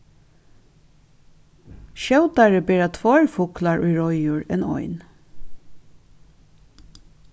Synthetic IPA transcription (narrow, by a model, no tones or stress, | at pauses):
ʃɑʉt̪ɑɹəbeːɹɑt̪ʰʋɑːɹfʊklɑɹʔuːɹɔʏjuːɹḛːnɔ̰ʏn